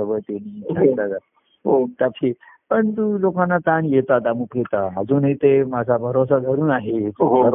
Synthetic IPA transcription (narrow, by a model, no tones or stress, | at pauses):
əbʱəjt̪eniat̪ad͡za | ɦot̪apʰipəɳt̪̬ulokãnːat͡s̪anjet̪at̪amupet̪aɦad͡zuːnɦit̪emad͡zʱabʱəɾosad̪ʱəɾuːnaɦeəɾ